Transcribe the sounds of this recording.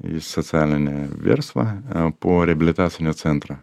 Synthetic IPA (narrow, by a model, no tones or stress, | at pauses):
ḭsːət̪sɨalʲnnʲevʲḛrst̪vɐ̰poɾʲɪɐbʲɪlʲɪt̪at̪sɨjnʲʊt̪sɛnt̪ɾə